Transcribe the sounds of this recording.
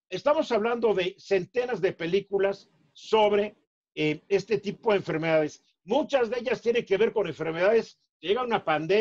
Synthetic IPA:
e̞st̪amo̞saβland̪o̞ðe̞se̞nt̪e̞nazðe̞pe̞likulasː | o̞βɾe̞ | ee̞st̪e̞t̪ipo̞ðeɱfe̞ɾme̞ðaðe̞s | mũt͡ʃazðe̞ʝast̪je̞ne̞ŋke̞βe̞ɾko̞ne̞ɱfe̞ɾme̞ðaðe̞s | kejeɣaunapand̪e

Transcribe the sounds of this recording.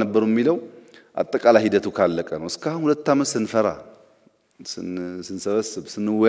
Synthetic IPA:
əbːəɾwɛmːiləwʔa̰t̪ʼːəkʼalajhid̪ət̪ʰukʰalːəkʼənəwɨskahunhulət̪ːaməsɨnfəɾa̰ | sɨsɨnsəβəsːɨβsɨnːɨwːɔ

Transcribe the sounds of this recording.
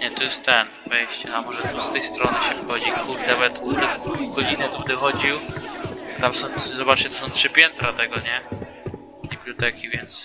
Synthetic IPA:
ɲɛt̪ɔjɛst̪t̪ɛnvɛjɕt͡ɕɛnamɔʐɛt̪ust̪ɛjst̪ɾɔnɘɕɛvxɔd͡ʑikuvnavɛt̪ɔd̪ɛɡɔd͡ʑinɛt̪ubd̪ɛxɔd͡ʑiw | t̪amsɔ̃w̃zɔbat͡ʂt͡ɕɛt̪ɔ̥sɔ̃w̃tʂɘpʲjɛnt̪ɾat̪ɛɡɔɲɛ | ibʲlʲut̪ɛkʲivʲjɛnt̪s

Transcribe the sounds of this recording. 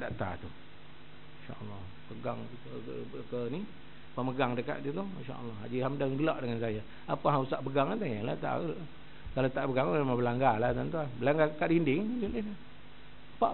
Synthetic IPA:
daʔt̪a̰t̪u | ʃa̰ʔəlːɑh | pəɡaŋ | kəni | pəməɡaŋdəka̰ʔd͡ʒit̪uinʃa̰ʔə̰lːɑad͡ʒiɦamdaŋɡəlɔʔdəŋansaja | apaɦausaʔpəɡaŋat̪̬ajala̰ʔt̪a̰ | kalot̪aʔbəɡaŋumemabəlaŋɡalat̪ant̪uanbəlaŋɡakaʔdindɪŋd͡ʒunina | paʔ

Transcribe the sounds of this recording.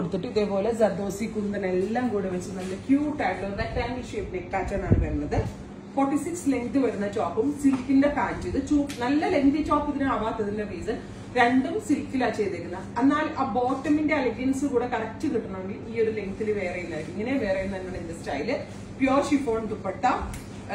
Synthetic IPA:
koɽut̪ːiʈːɨiðeːpo̞ːlesɐd̪ɐʋɐsikʲːunːɐðɨnelːaːmkuːɽeʋɐt͡ɕːunːɐlːɐkjuːʈːaːɖlonɐkɾaːmblʂeːpːinekːaːt͡ɕːaːɳaːɳɨʋɐɾunːɐðɨ | forʈːisiksleŋɡt̪ɨʋɐɾunːɐt͡ɕoːpːumsilkːindepaːtːuiðɨt͡ɕuːnɐlːɐleŋt̪ɨt͡ɕoːpːɐt̪ːinɨaːʋaːt̪ːɐðindeʋiːsɨ | ɾe̞ɳɖumsilkːilaːt͡ɕejt̪ːikʲːunːɐenːaːlaːbo̞ːʈːɐminde̞ɐliɡɐnsɨkuːɽe̞kɐrɐt͡ɕːɨkiʈːɐnɐʋeɳɖiʔiːo̞ɾuleŋt̪ilɨʋeːrejunːaːjkːiŋːɐneʋeːrejumːɐinːɐnend̪ɐstaːjilɨ | pjo̞ːʂifo̞ːɳt̪upːeʈːɐ

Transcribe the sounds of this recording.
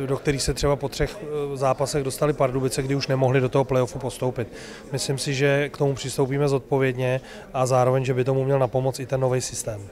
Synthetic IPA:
dok̚t̪ɛɾiːxsɛt̪r̝̥ɛbapo̞t̪r̥ɛxzaːpasɛɣdo̞st̪alɪpaɾdubɪt͡sɛɡdɪuʃnɛmo̞ɦlɪdo̞t̪oɦoplɛjofupo̞st̪o̞wpɪt̪̚ | mɪslɪmsɪʒɛkt̪o̞mupr̥ɪst̪owp̬iːmɛzo̞t̪̚po̞vjɛdɲɛ | ʔazaːɾo̞vɛɲʒɛbɪt̪o̞mumɲɛlnapo̞mot͡sɪt̪ɛnːo̞vɛjsɪst̪ɛːm

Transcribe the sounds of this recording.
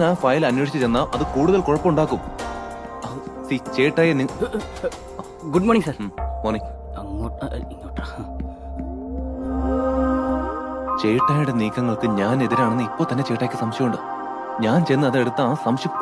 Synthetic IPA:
naːfɐjlɐnːweːʂi̥t͡ɕːɨt͡ɕe̞nːaʔɐðɨkuːɽuðɐlkoɻɐpːɐmuɳɖaːkːum | sit͡ɕe̞ːʈːaːjɐni | ɡuɖmoːniŋsɐɾmoːniŋ | ɐŋːoiŋːoːʈːɐ | t͡ɕe̞jʈːaːjuɽe̞niːkːɐŋːɐɭkɨɲaːne̞ðiɾaːɳenːɨipːoːt̪ɐnːet͡ɕe̞ːʈːaːkʲːisɐmɕjɐmuɳɖɨ | ɲaːnt͡ɕe̞jnːɐɐðeɽut̪ːɐːsɐmɕjɐm

